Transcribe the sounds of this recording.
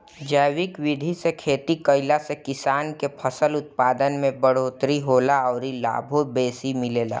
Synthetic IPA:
d͡ʒəːwɪkwɪd̪ʱisekʰeːt̪ikəɪlasekɪsaːnkepʰəsəlʊt̪̚paːd̪ənmẽbəɽ̤oːt̪ɾiɦoːlaɔːɾila̰ːbʱobeːsimɪleːla̰ː

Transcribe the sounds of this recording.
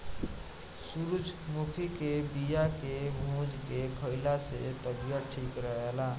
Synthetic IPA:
suɾut͡ʃʰmukʰikebijakemud͡ʒkekʰəɪlasḛt̪əbijəʈʰikɾəɦela

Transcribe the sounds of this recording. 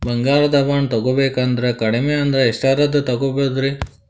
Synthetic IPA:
bɐŋɡaːɾɐd̪ɐʋaːɳt̪ɐɡobeːkaːnd̪ɐɾekɐɽimeːɐnd̪ɐɾeːʂʈɐɾɐd̪ɐt̪ɐɡobod̪ɾi

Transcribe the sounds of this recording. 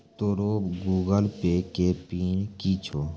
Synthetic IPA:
t̪oːɾoːpɡuːɡəlpeːkeːpiːnkit͡ʃʰoː

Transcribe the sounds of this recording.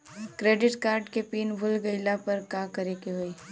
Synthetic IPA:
kɾeːɖɪʈkaːɾɖkepiːnbʱʊlɡəɪlapɐɾkãkɐɾekeɦoːi

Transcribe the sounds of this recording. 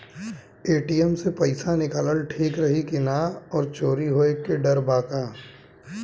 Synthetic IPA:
eːʈijɛmsepɐɪsanɪkaːləlʈʰiːkɾɐɦikɪnaɔːɾt͡ʃoːɾiɦoːekeɖɐɾbaːkaː

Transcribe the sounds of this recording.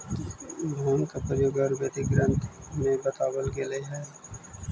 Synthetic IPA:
bʱoːnkapɾəjoːɡaːɾbet̪iɡɾə̃nt̪mẽbət̪aːwəlɡeleɦɛː

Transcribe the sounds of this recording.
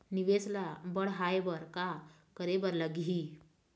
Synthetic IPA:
niʋeslabəɽ̤ɦaebəɾkakəɾebəɾləɡi

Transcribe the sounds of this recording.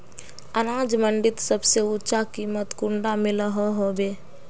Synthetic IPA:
ənaːd͡ʒmə̃ɳɖɪt̪səbseʊt͡ʃakiːmət̪kʊ̃ɳɖamɪləɦoɦoːbeː

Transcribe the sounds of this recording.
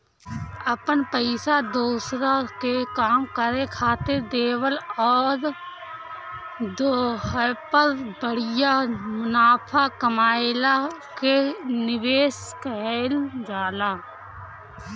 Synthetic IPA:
əpənpəɪsad̪oːsɾakekaːmkəɾekʰaːt̪ed̪eːwəlɔːɾ | d̪oːəpəɾbəɽɪjamʊnaːpʰakəmaːɪlakenɪʋeːskəld͡ʒaːlaː

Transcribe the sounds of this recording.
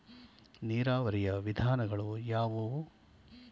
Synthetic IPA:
niːɾaːʋɐɾijɐʋid̪ʱaːnɐɡɐɭujaːʋu

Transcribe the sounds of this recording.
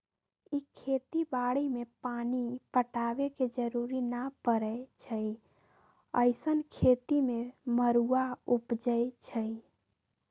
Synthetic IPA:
ikʰet̪ibaɽimepanipəʈabeked͡ʒəɾuɾinapəɾət͡ʃʰəj | ə̰ɪsənkʰet̪imeməɾuaupd͡ʒəjt͡ʃʰəj

